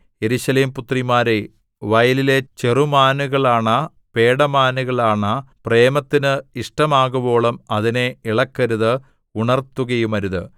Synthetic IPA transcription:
je̞ɾuɕɐleːmput̪rimaːɾe | ʋɐjɐlile̞t͡ɕerumaːnuɣɐɭaːɳɐ | pe̞ːɽɐmaːnuɣɐɭaːɳɐpre̞ːmɐt̪ːinɨiʂʈɐmaːɣubo̞ːɭɐmɐðineiɭɐkːɐɾuðɨ | uɳɐrt̪ːuɣɐjumɐɾuðɨ̰

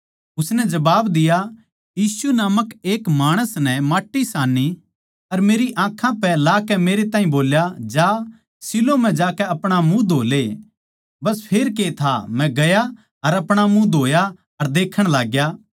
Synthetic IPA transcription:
ʊsnɛd͡ʒɐbaːbd̪ɪja | jiːsunaːməkeːkmaːɽ̃əsnɛ̃maːʈːisaːnːi | ɐɾmeːɾiʔãːkʰːãpɛlaːkɛmeːɾet̪ãːɦĩboːljad͡ʒaː | sɪlomɛ̃d͡ʒaːkɛɐpɽ̃amũd̪ʱoːle | bɐspʰeːɾk̬et̪ʰamɛ̃ɡɐja | ɐɾɐpɽ̃amũd̪ʱoːja | ɐɾd̪eːkʰəɽ̃laːɡjaː

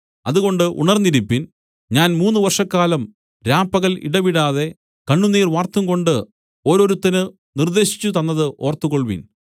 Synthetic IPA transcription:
ɐðuɣo̞ɳɖɨʔṵɳɐrnːiɾipːin | ɲaːnmuːnːuʋɐrʂɐkːaːlɐm | ɾaːpːɐɣɐlḭɽɐʋiɽaːðe̞ | kɐɳːuniːrʋaːrt̪umko̞ɳɖɨ | o̞ːɾo̞ːɾut̪ːɐnɨ | nird̪e̞ːɕi̥t͡ɕːut̪ɐnːɐðɨʔo̞ːrt̪ːuɣo̞ɭʋḭn

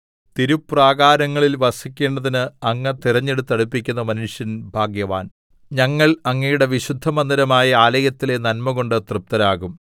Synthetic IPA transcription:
t̪iɾupːraːɣaːɾɐŋːɐɭilʋɐsikʲːe̞ːɳɖɐðinɨɐŋːɐt̪irɐɲːe̞ɽut̪ːɐɽupːikʲːunːɐmɐnuʂjɐnbʱaːɡjɐʋaːn | ɲɐŋːɐɭɐŋːɐjuɽe̞ʋiɕud̪ʱːɐmɐnd̪ɐɾɐmaːjɐaːlɐjɐt̪ːile̞nɐnmɐɣo̞ɳɖɨt̪rɨp̚t̪ɐɾaːɣum

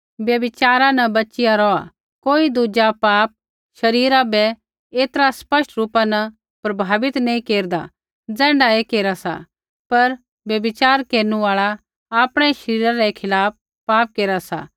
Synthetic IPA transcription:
bjɐbɪt͡ʃaːɾãnɐbɐːt͡ʃɪjaɾɔa̰ | koːid̪uːd͡ʒapaːp̚ | ʃɐɾiːɾabɛ | eːt̪ɾaspɐsʈɾuːpanɐ | pɾɐbʱaːʋɪt̪nɐĩkeːɾd̪a | d͡zɛ̃ːɳɖaekeːɾasa̰ | pɐɾ | bjɐbɪt͡ʃaːɾkeːɾnũaːɭa | aːpɽ̃ɛʃɐɾiːɾãɾɛkʰɪlaːp̚ | pːaːp̚keːɾasa̰ː

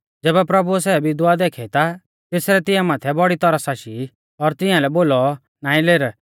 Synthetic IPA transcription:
d͡zɛːbɛpɾɐbuɛs̬ɛbɪd̪uad̪eːkʰɛt̪a | t̪eːsɾɛt̪ɪ̃jãmaːt̪ʰɛbɔɽit̪ɔɾasaːʃi | ɔɾt̪ɪ̃ãlɛboːlɔ | naːĩleːɾ

